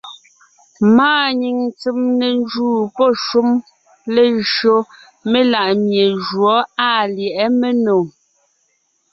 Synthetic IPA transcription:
maː˦˨ɲi˨ŋt͡si˦mne˨n˦d͡ʒuː˦˨pɔ˦˨ʃu˦m | le˨ʒo˦ | me˦la˦˨ʔmje˨ʒwɔ˨˦a˦˨ljɛ˨ʔɛ˦me˦no˨

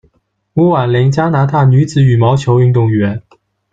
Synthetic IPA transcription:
wu˧˥wa˨˩nli˧˥ŋt͡ɕja˥na˧˥t̪ʰa˥˩ny˧˥t͡sɹ̩˨˩˦y˨˩mɑ˧˥ʊt͡ɕʰjo˧˥ʊy˥˧ŋt̪ʊ˥˩ŋɥɛ˧˥n

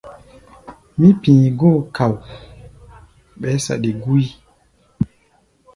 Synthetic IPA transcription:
mĩ˦pĩː˨ɡoː˦˨ka˨w | ɓɛ˨˦sa̰˨ɗe˨ɡu˦i˦

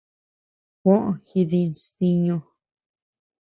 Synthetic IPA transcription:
kʷõ˦ʔxi˧ði˧si˧ɲõ˧

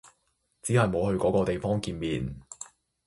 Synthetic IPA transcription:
t͡siː˨˥hɐ˨jmo˨˧whɵ˧ɥkɔː˨˥kɔː˧t̪e˨jfɔː˥ŋkiː˧nmiː˨˩n

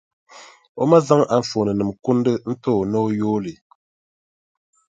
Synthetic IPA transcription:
o˦ma˦za˦ŋa˨ɱ̩˨fo˨nɨ˨nɨ˨mku˦n˦dɨ˦n̩˦to˦˨no˦joː˦lɨ˨

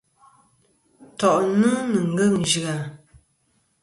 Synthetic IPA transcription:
tɔ˨ʔnɨ˦nɨ˨ŋ̩˨˦ɡə˦˨ŋn̩˨d͡ʒi˨a˨

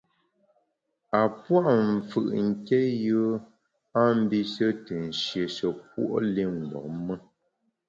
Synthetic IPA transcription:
a˨pwa˦ʔɱ̩˨fɯ̰˨ʔŋ̩˦kɛ˦jɯ˦ | a˦m̩˦bi˦sə˦tə˨n̩˨ʃje˨sə˨p̚wo̰˦ʔle˦ŋ̩˨ɡɔ̰˨mə˦

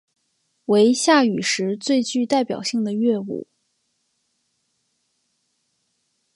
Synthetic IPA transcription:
we˧˥ɪɕja˥˩y˨˩ʂɻ̩˧˥t͡swe˥˧ɪt͡ɕy˥˧t̪a˥˩ɪpjɑ̰˨˩ʊɕi˥˩ŋd̪ə˩ɥɛ˥˧ṵ˥˩˦

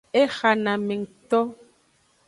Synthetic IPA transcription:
e˦xa˨na˨mɛ˨ŋ̩˨tɔ˦

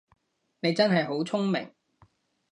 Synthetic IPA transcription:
ne˨˧jt͡sɐ˥nɦɐ˨jɦo˨˥wt͡sʰʊ˥ŋmɪ̰˨˩ŋ

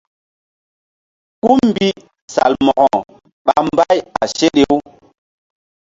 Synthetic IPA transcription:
ku˦m˨bi˦ | sa̰˨lmɔ˨ɣɔ˨ | ɓa˨m˦ba˦ja˨ʃe˦ɗe˦w

